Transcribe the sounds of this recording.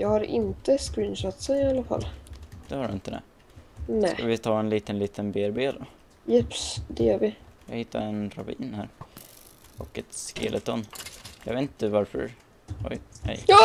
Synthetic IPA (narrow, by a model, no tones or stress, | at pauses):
jɑːɡhaɾʔɪ̰nt̪əskɾiːnʃɔt̪sənalːafa̰lːd̪̥ɛhaɖɵɪnt̪əd̪ɛ̰ | nɛskɑvɪt̪ʰɑːɛnliːt̪ənliːt̪ʰənbeːɾbeːd̪ɔ | jɛpsd̪ɛjœːɾvɪjɑːɡhɪt̪ʰːa̰ɾɛnɾavḭːnhæːɾ | ɔkɛt̪skḛlət̪ɔnːjɑɡeːt̪nt̪əd̪vaɾfœ̰ɾ | ɔ̰jhɛ̰j